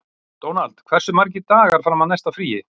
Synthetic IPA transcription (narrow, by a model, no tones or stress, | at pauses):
t̪oːwnalt̪kʰv̥ɛr̥sʏmaɾc̬ɪt̪aːɣaɾ̥fɾamːaðnɛjst̪afɾiːjɪ